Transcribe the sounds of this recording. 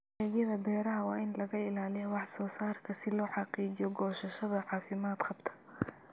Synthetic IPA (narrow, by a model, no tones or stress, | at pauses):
ɛːɣjɐðɐbɛːɾɐɦɐwɑːʔɪnlɐɣɐɪlaːlɪjɐwɑħsɔːsaːrkʰɐsɪlɔːħɑqiːd͡ʒɪjɔɡɔːʃɐʃɐðɐʕɑːfɪmaːd̪qʰɐbt̪ʰɐ̥